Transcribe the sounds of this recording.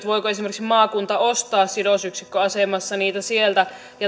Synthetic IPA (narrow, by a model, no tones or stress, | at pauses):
t̪ʋoikoes̬imerksmɑːkunt̪ɑost̪ɑːssidosyksikːøɑsemɑsːɑniːt̪æsielt̪æ | jɑ